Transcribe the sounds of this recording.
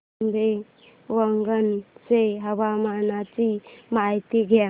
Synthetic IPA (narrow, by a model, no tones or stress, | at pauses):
mde | wəŋɡənseɦabamanat͡ʃimajt̪iɡa